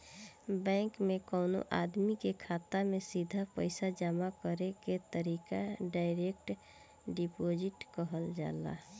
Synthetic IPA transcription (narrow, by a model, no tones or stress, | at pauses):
bɛ̃ŋkmekəːno̰ʔad̪mikekʰaːt̪amesid̪ʱapə̰ɪsad͡ʒamakəɾeket̪əɾiːkaɖaɪɾek̚ʈ | ɖipod͡ʒɪʈkəɦəld͡ʒa̰ːla̰